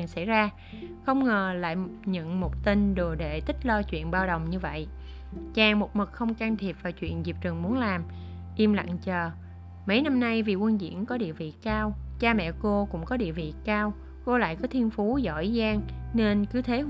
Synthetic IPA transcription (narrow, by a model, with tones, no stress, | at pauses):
ŋsa̰˧˥jzaː˧ | xə˧wŋ͡mŋəː˨˩la̰ː˧˨jɲə̰˧˨ŋmo˨˩t̚t̪i˧nɗo˨˩ɗe˧˨t̪ï˦˥k̚lɔ˧t͡ɕwḭ˧˨ənɓaː˧wɗə˨˩wŋ͡mɲɨ˧və̰˧˨j | t͡ɕaː˨˩ŋmo˨˩t̚mɨ˨˩k̚xə˧wŋ͡mkaː˧nt̪ʰi˨˩əp̚vaː˨˩wt͡ɕwḭ˧˨ənzi˨˩p̚t͡ɕɨ˨˩ŋmu˨˦ənlaː˨˩m | ʔi˧mla̰˧˨ŋt͡ɕəː˨˩ | mə˨˦jna˧mna˧jvi˨˩kwə˧nzḭ˧˨ənkɔ˨˦ɗḭ˧˨əvḭ˧˨kaː˧wt͡ɕaː˧mɛ̰˧˨ko˧kʊ̰˧˥ŋ͡mkɔ˨˦ɗḭ˧˨əvḭ˧˨kaː˧w | ko˧la̰ː˧˨jkɔ˨˦t̪ʰi˧ənfu˨˦zɔ̰˧˩zaː˧ŋne˧nkɨ˨˦t̪ʰe˨˦